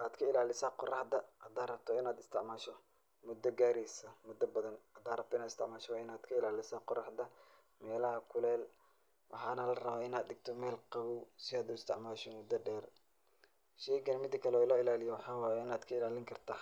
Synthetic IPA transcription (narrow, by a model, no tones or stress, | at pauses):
ʔaːd̪kʰɐɪlaːlɪsɐqɔrɑħd̪ɐhɐd̪aːrɐb̚t̪ʰɔɪnaːd̪ɪst̪ʰɪʕmaːʃɔ | mʊd̪ɐɡaːɾɛsɐmʊd̪ɐbɐðɐnhɐd̪aːrɐb̚t̪ʰɔɪnaːd̪ɪst̪ʰɪ̰ʕmaːʃɔwːɪnaːd̪kʰɐɪlaːlɪsɐqɔrɑħd̪ɐ | mɛːlɐhɐkʰʊlɛːl | wʔɑ̰ħɑːnɐlɐrɐβaːɪnaːd̪ɗɪɡt̪ʰɔmɛːlqɑβuwsɪaːd̪ʊɪst̪ɪ̰ʕmaːʃɔmʊd̪ɐɖɛːr | ʃɛjɡɐnɐmɪd̪ɐkʰɐlɛɔːɪlɐɪlaːlɪjɔwɑħɑːwɑːjɛɪnaːd̪kʰɐɪlaːlɪŋkʰɐrt̪ʰaː